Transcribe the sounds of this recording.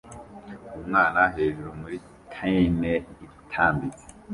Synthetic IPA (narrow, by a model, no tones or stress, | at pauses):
umŋaːnaɦeːʒuɾomuɾi | kʰaineitʰaːmbit͡si̥